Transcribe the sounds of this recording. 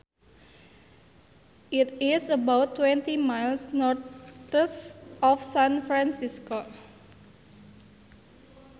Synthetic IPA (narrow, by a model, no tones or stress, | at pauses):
ʔit̪isəbawt̪ːwɛnt̪imajlsnɔrt̪əsɔfsãnfɾãnsisko